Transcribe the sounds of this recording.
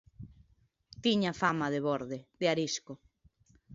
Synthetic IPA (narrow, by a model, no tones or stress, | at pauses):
t̪iɲafamaðeβoɾðeðeaɾisko